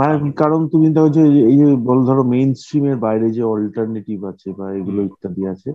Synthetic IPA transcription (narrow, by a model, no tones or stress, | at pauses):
manekikaɾont̪umid̪ɛkʰot͡ɕʰeejd͡ʑebɔlod̪ʱɔɾomejnsʈɾimeɾbajɾed͡ʑeɔlʈaɾniʈibat͡ɕʰebaeɡuloit̪ːad̪ieat͡ɕʰe